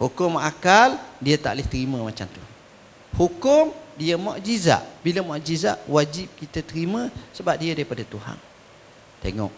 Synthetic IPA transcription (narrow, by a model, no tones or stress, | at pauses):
hukʊmakaldiət̪a̰ʔlɪht̪əɾimə̃mat͡ʃamt̪u | hukʊmdiəmɔʔd͡ʒiza̰ʔbiləmaʔd͡ʒizaʔwad͡ʒip̚kit̪ət̪əɾimə̃səbap̚diədaɾipadat̪uha̰n | t̪eŋɔ̰ʔ̚